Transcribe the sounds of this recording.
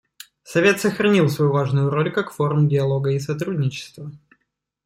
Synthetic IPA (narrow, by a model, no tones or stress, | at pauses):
sɐvʲe̞t̪səxɾɐnʲilˠsvɐjuvaʐnʊjʊɾo̞lʲkakfo̞ɾmdʲɪɐlˠo̞ɡəɪsɐt̪ɾudʲnʲɪt͡ɕɪ̥st̪və